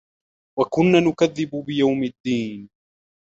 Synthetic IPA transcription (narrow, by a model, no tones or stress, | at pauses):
wakʊnːaːnʊkaðːɪbʊbɪjawmad̪ːiːn